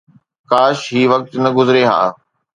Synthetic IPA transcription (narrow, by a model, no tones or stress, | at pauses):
kaːʃɦiːʋɐk̚t̪nɐɡʊzɪɾeɦa̰ː